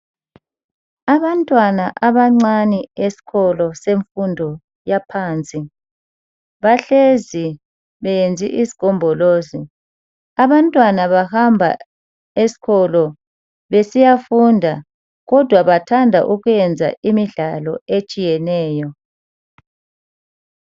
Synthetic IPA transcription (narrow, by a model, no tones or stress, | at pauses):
aβantʼwanaʔaβaŋ͡ǀaniesi̥ɣʰɔlɔseɱfundʱɔ | japʰaːnt͡sʼi | βaɬezi | βɛjend͡zʱḭʔizi̥kɔmbʱɔloːzi | aβantʼwanaβahambʱa̰ | esi̥ɣʰɔlɔ | βesijafundʱa | ɣɔd̥ʱwaβatʰandʱa̰ʔuɣujɛnd͡zʱa̰ʔimiɮalɔet͡ʃʼijɛnɛːjɔ